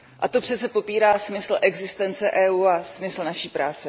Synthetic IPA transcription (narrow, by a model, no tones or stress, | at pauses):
ʔat̪o̞pr̝̥ɛtt͡sɛpo̞piːɾaːsmɪsl̩ʔɛɡzɪst̪ɛnt͡sɛʔɛːuːasmɪsl̩naʃiːpɾaːt͡sɛ